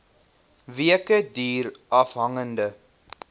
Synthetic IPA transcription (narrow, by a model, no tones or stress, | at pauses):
viəkədiːɾɐfɦɐŋəndə